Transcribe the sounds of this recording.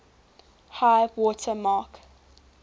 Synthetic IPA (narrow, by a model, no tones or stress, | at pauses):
haɪvwɔtʰəmɑːˑk